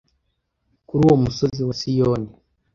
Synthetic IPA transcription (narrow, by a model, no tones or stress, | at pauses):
kuɾuwomusoziwasijoːne